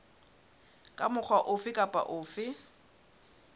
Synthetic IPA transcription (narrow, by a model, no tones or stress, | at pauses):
kʼamʊk͡xʰwaʔʊfɪkʼapʼa̰ʔʊːfɪ